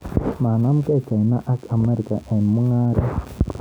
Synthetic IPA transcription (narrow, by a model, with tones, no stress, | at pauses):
ma˨na˦m̩˦kɛ˦˨t͡ʃa˨i˨na˦ʔa˦ka˨me˦ɾi˨ka˨ʔe˨mu˦ŋa˦ɾe˦